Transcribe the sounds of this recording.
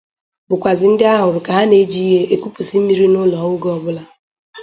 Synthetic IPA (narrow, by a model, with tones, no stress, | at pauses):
bʊ˨kʷa˨zɪ˨n̩˦dɪ˦a˦ɦʊ˨ɾʊ˨ka˨ɦa˦ne˦d͡ʒi˦i˦ɦe˦ʔe˦kʷu˦pu˨si˦m̩˦mi˦ɾi˦nʊ˦lɔ˨ʊ˦ɡɔ˦bʊ˦la˦